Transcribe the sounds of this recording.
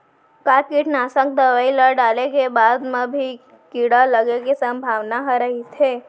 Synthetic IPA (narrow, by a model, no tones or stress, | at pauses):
kaːkiʈnaːsək̚d̪əʋaːiləɖaːlekebaːd̪mẽbʱi | kiɽaləɡekisɐ̃mbʱaːʋnaɦɾəɦit̪ʰeː